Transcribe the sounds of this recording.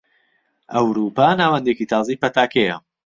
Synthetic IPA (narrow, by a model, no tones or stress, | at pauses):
ʔɐwɾuːpaːnaːwɐnd̪ekit̪ʰɑːzijpɐt̪aːkʰejɐ̰